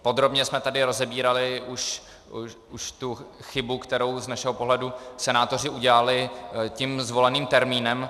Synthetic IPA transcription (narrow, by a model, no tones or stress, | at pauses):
po̞d̪ɾo̞bɲɛsmɛt̪adɪɾo̞zɛbiːɾalɪʔuʃ | uʃt̪uxɪbukt̪ɛɾo̞wznaʃɛɦopo̞ɦlɛdusɛnaːt̪o̞r̝ɪuɟɛlalɪcimzvo̞lɛniːmt̪ɛɾmiːnɛm